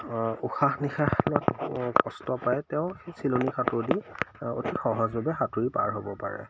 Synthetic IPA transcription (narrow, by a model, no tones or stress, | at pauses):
uxaxnixaxlɔtkɔstɔpajtɛʊ̃esilonikʰatʊɹdio̰tixɔɦɔzbʱabɛxatuɹipa̰ɹɦobɔpa̰ɹɛ̰